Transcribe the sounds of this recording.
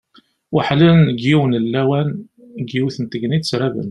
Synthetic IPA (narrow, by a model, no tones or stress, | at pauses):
waħlənɡiwənəlːæwæn | ɡiwiθənt̪əɡnisɾævə̰n